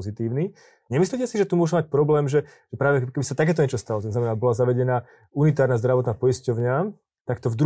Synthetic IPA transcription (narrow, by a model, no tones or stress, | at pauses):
zit̪iːʊni | ɲɛmisliːcɛsiʒɛt̪umʊɔʒumac̚pɾɔblɛːmʒɛ | ʒ̥ɛpɾaːʋɛkɛbisat̪ak̬ɛːt̪ɔɲɛt͡ʃɔst̪alɔt̪znamɛnaːbɔlazaʋɛɟɛnaː | unit̪aːɾnaːzd̪ɾaʋɔt̪naːpɔiscɔʊɲa | t̪akt̪ɔvd̪ɾ